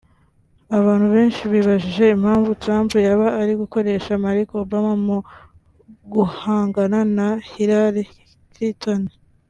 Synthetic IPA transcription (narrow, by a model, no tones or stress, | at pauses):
aβaːn̥huβe̞ːnʃiβiβaʒiʒe̞imhaːɱvutɾaːmpujaβaːɾiɡuko̞ɾe̞ʃamaɾikobamamo | ɡuhaːŋɡananahiɾaɾi | kɾitoni